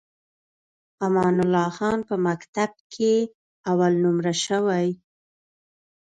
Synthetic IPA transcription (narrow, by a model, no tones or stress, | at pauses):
amɑnʊlɑxɑnpəmakt̪ab̚kʰe | awalnʊmɾaʃəwaj